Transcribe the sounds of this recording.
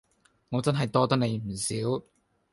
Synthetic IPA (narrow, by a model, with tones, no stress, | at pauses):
ŋɔː˨˧t͡sɐ˥nɦɐ˨jt̪ɔː˥t̪̬ɐ˥k̚ne˨˧jm̩˨˩siː˨˥w